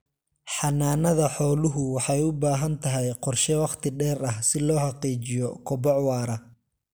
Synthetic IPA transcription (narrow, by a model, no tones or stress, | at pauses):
ħɑnaːnɐðɐħɔːlʊɦʊwɑħɑjʊbaːɦɐnt̪ʰɐɦɛjqɔrʃɛwɑqt̪ʰɪɖɛːɾɐhsɪlɔːħɑqiːt͡ʃɪjɔkʰɔbɔʕwɑːɾɐ